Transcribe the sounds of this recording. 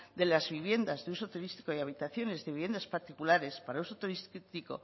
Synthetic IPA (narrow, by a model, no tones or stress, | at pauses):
d̪e̞lazβiβje̞nd̪azðeuso̞t̪uɾist̪i̥ko̞jaβ̞it̪aθjo̞ne̞zðeiβe̞nd̪aspaɾt̪ikulaɾe̞spaɾauso̞t̪uɾist̪iko̞̰